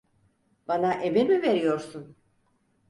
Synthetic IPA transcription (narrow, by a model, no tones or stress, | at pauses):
b̥anaʔemeɾmive̞ɾijo̞ɾsun